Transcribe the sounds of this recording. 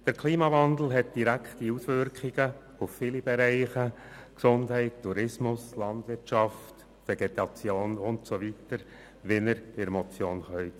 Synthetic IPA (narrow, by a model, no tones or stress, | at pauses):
d̥əɾkʰliːmɑʋɑnd̪l̩ˠɦɛt̚d̥iɾækχtiusʋʏɾkχiɡ̥ə | ufːiːlib̥ɛɾɛɪχə | ksʊndɦɛɪttʰːuɾɪsmʊslɑndʋɪrtʃɑft | feɡ̥etɑt͡sjoːnʊntsoʋitəɾ | ʋɪnəɾd̥ɪɾmɔt͡sjoːnχœʏt